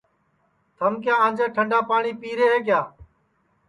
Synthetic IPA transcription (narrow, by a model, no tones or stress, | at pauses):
t̪ʰəmkjãːãːnd͡ʒeːʈʰəɳɖaːpaːɳiːpiːɾeːɦeːkɪjaː